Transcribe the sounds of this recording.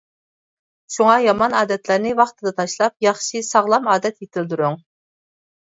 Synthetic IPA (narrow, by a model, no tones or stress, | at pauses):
ʃuŋɑjɑmɑnɑːd̪ɛt̪ʰlæɾnɪwɑχt̪ʰɨd̪ɑt̪ʰɑʃlˠɑp̚jɑχʃisɑʁlˠɑmɑːd̪ɛt̪jet̪ʰɪld̪uɾuŋ